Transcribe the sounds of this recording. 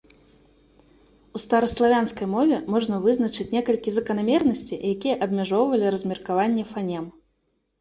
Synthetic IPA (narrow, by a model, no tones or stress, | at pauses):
ust̪ɐɾɐslˠavʲanskɐjmɔvʲɛmɔʐnɐvɨznɐt͡ʂɨt͡sʲnʲɛkɐlʲkʲizɐkɐnamʲɛrnɐsʲt͡sʲijakʲijɛʔɐbmʲaʐɔwvɐlʲiɾɐzʲmʲɛrkavanʲːɛfanʲɛm